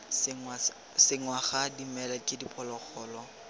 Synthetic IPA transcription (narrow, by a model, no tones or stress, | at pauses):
ŋ | sɪŋwaχadimɛlakʼɪdipʼɔlɔk͡xʰɔːlɔ